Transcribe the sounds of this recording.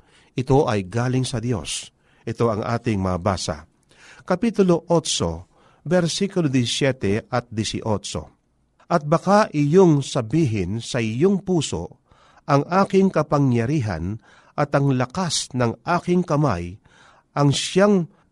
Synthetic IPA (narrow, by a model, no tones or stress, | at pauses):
ʔɪt̪o̞ʔɐjɡaːlɪŋsɐd̪jo̞̰s | ʔɪt̪o̞ɐŋʔa̰ːt̪ɪŋmɐɐba̰ːsa̰ | kɐpit̪ʊlo̞ʔot̪t͡ʃo̰ | bɛɾsikʊlod̪ɪsjɛt̪ɛɐt̪̚d̪ɪsɪ̰ʔot͡ʃo̰ | ʔɐt̪̚bɐkaʔɪjoŋsɐbiːɦɪnsɐʔɪjoŋpuːso̞̰ | ʔɐŋʔaːkɪŋkɐpɐŋjɐɾiːɦɐ̰n | ʔɐt̪ɐŋlɐkasnɐŋʔaːkɪŋkɐma̰j | ʔɐŋʃjaŋ